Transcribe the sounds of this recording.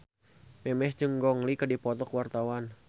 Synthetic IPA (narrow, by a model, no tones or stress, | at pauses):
mɛmɛsd͡ʒɨŋɡɔŋlikədipɔt̪ɔkwart̪awan